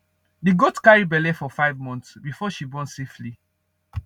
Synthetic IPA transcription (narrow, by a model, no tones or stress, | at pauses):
diɡotkaɹibɛlɛfɔfaɪvmɔ̃ntsbifɔʃibɔ̃nsefli